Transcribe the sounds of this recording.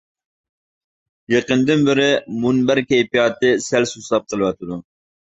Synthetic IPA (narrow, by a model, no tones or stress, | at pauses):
jeqənd̪ɪnbɪɾɪmunbæɾkʲejpijɑːt̪ɨsælsuslˠɑp̚qʰəlˠɨwɑt̪ʰɨd̪u